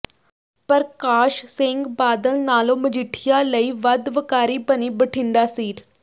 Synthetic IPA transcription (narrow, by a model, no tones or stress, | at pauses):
pəɾkaːʃsẽːŋɡbaːd̪əlnaːloməd͡ʒiʈʰijaləiːʋəd̪ʋəkaːɾiːbəniːbəʈʰĩnd̪asiːʈ